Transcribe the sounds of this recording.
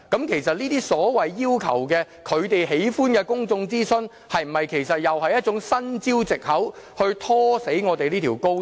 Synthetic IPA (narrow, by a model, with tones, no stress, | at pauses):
kɐ˨˥mkʰe˨˩jsɐ˨t̚liː˥t̪iː˥sɔː˨˥wɐ˨jːiː˥wkʰɐ̰˨˩wkɛː˧ | kʰɵ˨˧ɥt̪e˨jɦe˨˥jfuː˥nkɛː˧kʊ˥ŋt͡sʊ˧ŋt͡siː˥sɵ˧n | hɐ˨jm̩˨˩mɐ˨jkʰe˨˩jsɐ˨t̚jɐ˨whɐ˨jɐ˥t̚ʊ˨˥ŋsɐ˥nt͡si˥wt͡sɪ˨k̚hɐ˨˥whɵ˧ɥt̪ʰɔː˥se˨˥jŋɔː˨˧t̪e˨jliː˥t̪ʰiː˨˩wko˥w